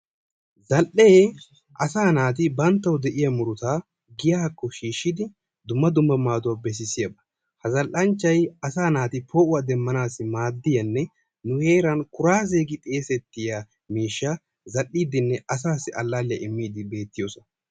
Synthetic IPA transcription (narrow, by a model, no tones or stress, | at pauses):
zɐlʔe | ʔɐsaːnaːt̪̬ɪbɐnt̪ːɐwd̪ɛʔɪjɐmʊɾʊt̪aː | ɡɪjaːkːɔʃiːʃːɪd̪ɪ | d̪ʊmːɐd̪ʊmːɐmaːd̪ʊwabɛs̬ɪsɪjɐbɐ | hɐzɐlʔɐnt͡ʃːɐjɐsaːnaːt̪ɪpʰoːʔʊwad̪ɛmːɐnaːsːɪmaːd̪ːɪjɐnːɛ | nʊhe̞ːɾɐnkʊɾaːzeːɡɪt̪ʼeːsɛt̪ːɪja | miːʃːa | zɐlʔːiːd̪ɪnːɛʔɐsaːsːɪʔɐlːaːlɪjɐʔɪmːiːd̪ɪbe̞ːt̪ːɪjoːsɔn